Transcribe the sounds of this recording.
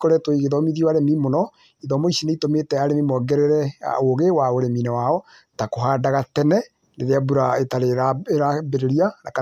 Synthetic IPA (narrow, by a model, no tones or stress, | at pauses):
kɔɾɛtwoiɣeðɔmiðiɔaɾemimonɔ | iðɔmoisineitometɛaɾemimɔɡɛɾɛɾɛa̰oɣewaoɾeminɛwaɔ | takoɦadaɣatɛnɛ | neɾeabuɾaetaɾeaeɾabeɾeɾianaka